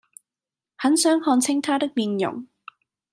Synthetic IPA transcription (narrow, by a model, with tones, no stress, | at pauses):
hɐ˨˥nsœː˨˥ŋhɔː˧nt͡sʰɪ˥ŋt̪ʰaː˥t̪ɪ˥k̚miː˨˧njʊ̰˨˩ŋ